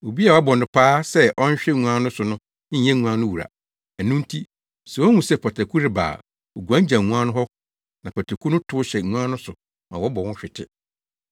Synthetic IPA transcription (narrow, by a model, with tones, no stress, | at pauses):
o˨bi˦a˨˦bɔ̃˨n˨dɪ̃˨pʰaː˦sɛ˦ʔɔ˦n˦ɕᶣɛ˦˨ŋũ˨ã˦nʊ̃˦sʊ˨nʊ̃˦ | ɛ̃˦˨ŋũ˨˦ã˦nʊ̃˦wu˨ɾa̰˨ | ɛ˨nʊ̃˦n̩˦tʰi˦ | sɛ˨ɔ˦ŋũ˨sɛ˦pʰɔ˨tʰɛ˨kʰu˦ɾɪ˨ba̰ː˨ | o˨ɡu˨ã˦d͡ʑã˨ũ˦ã˦nʊ̃˦ɦɔ˦ | nã˨pʰɔ˨tʰɛ˨kʰu˦nʊ̃˦tʰʊ˦ʊ˦ɕɛ˨ŋũ˦ã˦nʊ̃˦sʊ˨ | mã̰˨wɔ˦bɔ˨wɔ̃˦ɕᶣɪ˨tʰɪ˦